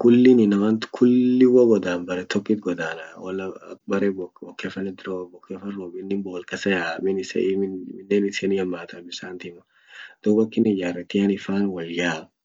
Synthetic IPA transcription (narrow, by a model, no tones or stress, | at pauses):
kʊlːɪnɪnɐwɐnt̪kʰʊlːɪwɐɡɔd̪aːnbɐɾɛt̪ɔkːɪt̪̚ɡɔd̪aːnɐwɐlɐ̰bɐɾɛbɔɔkːefɐnːɛd̪ɾoːbɔkːefɐnɾoːbɪnːɪmboːlkɐsɐjaːmɪnɪsɛ̰mɪɪnːeːnɪseːnjɐmːaːt̪ʰɐbɪsaːnt̪ɪmɐ | d̪̥uːbɐkːɪnɪjarɛt̪ɪjɐnɪfaːnwɐljaː